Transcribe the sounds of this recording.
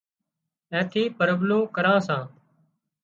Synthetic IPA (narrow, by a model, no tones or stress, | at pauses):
ɛ̃ːt̪ʰiːpəɾbloːkəɾãːsãː